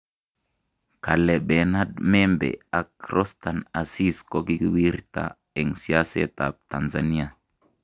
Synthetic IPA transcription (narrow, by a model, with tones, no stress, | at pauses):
ka˨lɛ˨ɓɛ˨na˦d̚mɛ˦mbɛ̰˨a˨kɾʔɔ˦st̪a˨na˨si˦sko˦ki˦ki˦wi˦ɾta̰˨ | ɛ˨ŋsi˦a˦sɛ̰˦t̪a˨p̚t̪a˨nza˨ni˦a˨